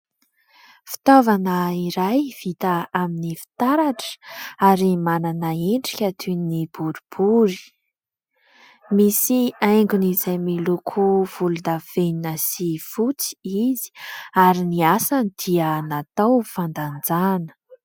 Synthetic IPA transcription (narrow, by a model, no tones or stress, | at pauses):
fi̥t̪ovanəiɾajv̥it̪aaminifi̥t̪aɾaʈ͡ʂə̥aɾimananaeɳɖ͡ʐikʲat̪ʰunib̥uɾub̥uɾi̥ | misiajŋɡunizajmilukʰuv̥ulund̪av̥eninəsifut͡si̥izi̥aɾiniasanid̪̥ianat̪awfand̪and͡zanə̥